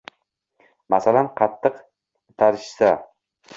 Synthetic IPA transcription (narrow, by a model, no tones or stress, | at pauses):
masalanqʰɑt̪ʰːɨq | t̪ʰaɾɪʃsa